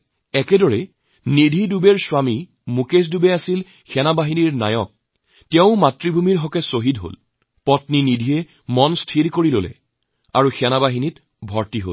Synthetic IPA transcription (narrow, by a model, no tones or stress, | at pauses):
ɛkɛdɔɹɛ | nidʱidubɛɹswami | mukes̬dubɛasil | xɛnabaɦiniɹna̰jɔk̚ | tɛʊ̃matɹibʱumiɹɦɔkɛsoɦidɦo̰l | pɔtninidʱijɛ | mɔnstʰilkoɹilolɛ̰ | a̰ɹuxɛnabaɦinit | bʱɔɹtiɦo̰l